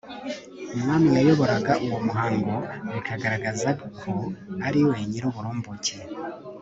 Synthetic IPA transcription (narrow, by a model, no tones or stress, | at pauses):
umŋaːmijajo̞βo̞ɾaɡaʔuwo̞muɦaːŋɡo̞ikʰaɡaɾaɡazakʰoaɾiweːɲiɾoβuɾoːmbucʰe